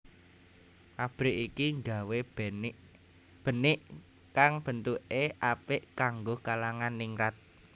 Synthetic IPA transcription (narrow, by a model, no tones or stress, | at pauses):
ʔab̥ɾɪʔikiŋɡa̤web | b̥ə̤nɪʔ | kaŋb̥ə̤nt̪uʔeʔapɪʔkaŋɡokalaŋanːiŋɾat̪̚